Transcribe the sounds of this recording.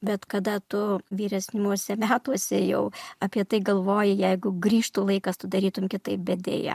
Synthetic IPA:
bʲɛt̪kɐd̪ɐt̪ʊʋʲiːɾʲɛsʲnʲɪmuɔsʲɛmʲæːt̪uɔsʲɛjɛʊɐpʲiɛt̪ɐɪɡɐlˠʋoːjɪjɛɪɡʊɡɾʲiːʃt̪uːlˠɐɪkɐst̪ʊd̪ɐɾʲiːt̪ʊmkʲɪt̪ɐɪp̚bʲɛd̪ʲḛːjɛ̰

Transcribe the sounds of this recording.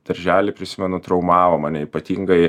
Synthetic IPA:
d̪̥ɐɾʲʒʲæːlʲɪpʲɾʲɪsʲɪmʲɛnʊt̪ɾɐʊmɑːʋɐmɑːnʲɛiːpɐt̪ʲiːŋɡɐɪ

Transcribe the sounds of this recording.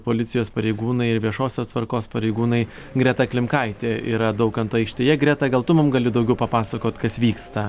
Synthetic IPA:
poːlʲɪt̪sʲɪjoːspɐɾʲɛɪɡuːnɐɪɪɾʋʲiɛʃoːsʲoːst̪ʋɐɾkoːspɐɾʲɛɪɡuːnɐɪ | ɡɾʲɛt̪ɐklʲɪmkɐɪt̪ʲeːḭːɾɐd̪ɐʊkɐnt̪ɐɪkʃʲt̪ʲeːjɛɡɾʲɛt̪ɐɡɐlˠt̪ʊmʊmɡɐlʲɪd̪ɐʊɡʲɛʊpɐpɑːsɐkoːt̪kɐsʋʲiːkst̪ɐ

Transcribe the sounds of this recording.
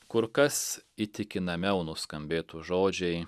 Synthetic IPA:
kʊɾkɐsit̪ʲɪkʲɪnɐmʲɛʊnʊskɐmʲbʲeːt̪ʊʒoːd͡ʒʲɛɪ

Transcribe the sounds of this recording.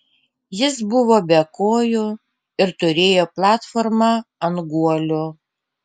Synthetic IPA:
jɪsbʊʋoːbʲɛkoːjʊ | ɪɾt̪ʊɾʲeːjoːplˠɑːt̪foːɾmɑɐnɡuɔlʲʊ

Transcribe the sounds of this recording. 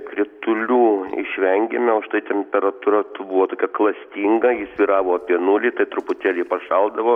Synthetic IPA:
kɾʲɪt̪ʊlʲuːɪ̰ʃʲʋʲɛŋʲɡʲemʲɛʊʃt̪ɐɪt̪ʲɛmʲpʲɛɾɐt̪uːɾɐt̪bʊʋoːt̪oːkʲɛklˠɐsʲt̪ʲiːŋɡɐjɪsʲʋʲiːɾɑːʋoːɐpʲiɛnulʲiːt̪ɐɪt̪ɾʊpʊt̪ʲæːlʲɛpɐʃɐlˠd̪ɐʋoː

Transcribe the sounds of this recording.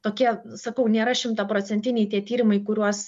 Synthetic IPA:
t̪oːkʲiɛ | sɐkɐʊnʲeːɾɐʃʲɪmt̪ɑːpɾoːsʲɛnʲt̪ʲɪnʲɛɪt̪ʲiɛt̪ʲiːɾʲɪmɐɪkʊɾʲuɔs

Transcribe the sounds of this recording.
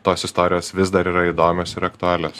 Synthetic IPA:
t̪oːsɪst̪ɔːɾʲɪjoːsʋʲɪsd̪ɐɾiːɾɐid̪oːmʲoːsɪɾɐkt̪ʊæːlʲoːs

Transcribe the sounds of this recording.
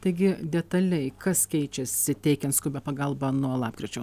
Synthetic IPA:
t̪ɐɪɡʲɪd̪ʲɛt̪ɐlʲɛɪkɐskʲɛɪt͡ʃʲɛsʲɪt̪ʲɛɪkʲɛnt̪skʊbʲɛpɐɡɐlˠbɐnuɔlˠɑːpkɾʲɪt͡ʃʲɛʊ

